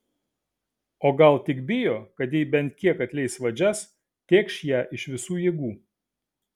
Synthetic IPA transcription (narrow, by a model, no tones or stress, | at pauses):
oːɡɐlˠt̪ʲɪkbʲɪjoːkɐt̪jɛɪbʲɛnt̪̚ʲkʲiɛkɐt̪ʲlʲɛɪsʋɐd͡ʒʲɛs | t̪ʲeːkʃjæːʔɪʃʋʲɪsuːjiːɡuː